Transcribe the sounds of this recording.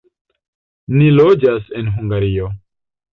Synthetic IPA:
nilod͡ʒasenɦuŋɡaɾio

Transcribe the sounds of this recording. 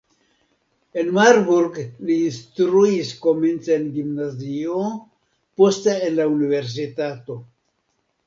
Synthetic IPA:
enmaɾbuɾɡliːnstɾuisko̞ment͡seenɡimnazio | posteenlaunive̞ɾs̬itato̞

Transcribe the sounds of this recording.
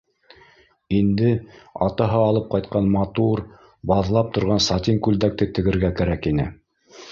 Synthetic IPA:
ind̪ɘɑ̰t̪ɑɦɑɑːlˠɤp̚qɑjt̪̚qɑnmɑt̪uɾ | bɑðlˠɑp̚t̪ŏɾʁɑnsɑt̪ʲiŋkʉld̪æk̚t̪ɘt̪ɘ̆ɡɘ̆ɾɡækæɾækinɘ̰

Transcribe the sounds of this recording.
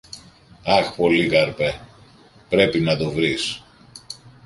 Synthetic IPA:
ɐxpo̞likɐɾpe | pɾe̞pinɐt̪o̞vɾis

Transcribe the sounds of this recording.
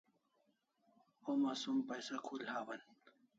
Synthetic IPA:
omasumpɐjsakʰulhaːwɐn

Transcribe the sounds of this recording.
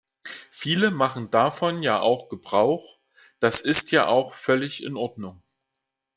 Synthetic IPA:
fiːləmaχn̩dafɔnjaːʔa̰ʊxɡ̥əbʁaʊx | d̥asɪstjaːʔaʊxfœlɪçɪ̰nʔɔɐdnʊŋ

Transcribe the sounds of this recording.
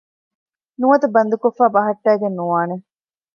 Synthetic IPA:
nuʋɐt̪ɐbɐnd̪ukofːaːbɐɦɐʈːæːɡenːuʋaːne

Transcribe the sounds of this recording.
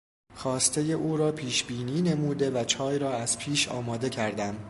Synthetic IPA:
xɒːst̪ʰe̞je̞ʔuːɾɒːpʰiːʃbiːniːne̞muːd̪e̞væt͡ʃʰɒːjɾɒːæz̥pʰiːʃɒ̰ːmɒːd̪e̞cʰæɾd̪æm

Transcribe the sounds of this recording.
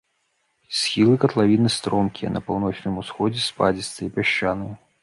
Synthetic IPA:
sʲxʲilˠɨkɐt̪lˠavʲinɨst̪ɾɔmkʲiɐ̰nɐpawnɔt͡ʂnɨmusxɔd͡zʲɛspad͡zʲit̪ɐipʲaʂt͡ʃanɨj

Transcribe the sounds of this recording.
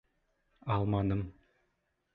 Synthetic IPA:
ɑlˠmɑnɤm

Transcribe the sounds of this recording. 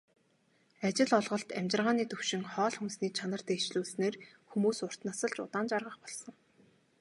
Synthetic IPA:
at͡ɕɪ̆ɮɔɮʁɞ̆ɬt̪æmʲt͡ɕɪ̆rʁaːniːt̪ɵwʃɪ̆ŋχɔːɮxunsniːt͡ɕʰanə̆r̥t̪ʰeːt͡ɕɮuːɮsneːr | xumuːsʊr̥t̪nasə̆ɮt͡ɕʊ̰t̪aːnt͡ɕarʁə̆χpɔɮsɞ̆ŋ

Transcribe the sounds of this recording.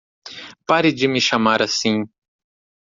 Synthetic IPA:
paɾid͡ʒimiʃamaɾasĩ

